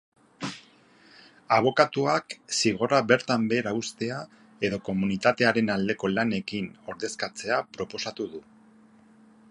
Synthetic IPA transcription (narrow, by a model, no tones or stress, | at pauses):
aβ̞o̞kat̪uaksiɣ̞o̞ɾaβe̞ɾt̪ambe̞ːɾaust̪e̞a | e̞ðo̞ko̞munit̪at̪e̞aɾe̞nald̪e̞ko̞lane̞kino̞ɾðe̞skat͡se̞apɾo̞po̞sat̪uðu